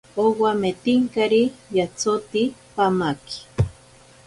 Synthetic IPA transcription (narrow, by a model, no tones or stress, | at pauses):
owamet̪iŋkaɾijat͡sot̪ipamaki̥